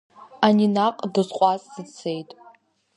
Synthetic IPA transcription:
aninaqʼdɨzqʷʼazːɨt͡sʰe̞jtʼ

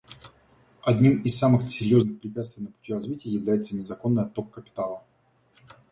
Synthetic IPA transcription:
ɐdʲnʲimɪsːamɨxsʲɪɾʲjo̞znɨxpɾʲɪpʲat̪st̪vɪjnəpʊ̥tʲirɐzvʲitʲɪjəjɪvlʲæjɪt̪sənʲɪzɐko̞nːɨjɐt̪okːəpʲɪ̥t̪alˠə

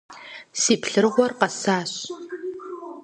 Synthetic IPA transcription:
siːpɬɨrʁʷɔrqɐsaːɕ

